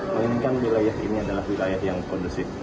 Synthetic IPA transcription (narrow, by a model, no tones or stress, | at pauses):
mŋŋkanmilajaɦiniadalahwilajaɦjaŋkɔndusɪf